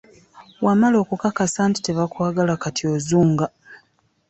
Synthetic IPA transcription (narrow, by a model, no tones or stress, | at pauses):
wamalo̞ːkukakasaːnti̥teβakwaːɡalakatioːzuːŋɡa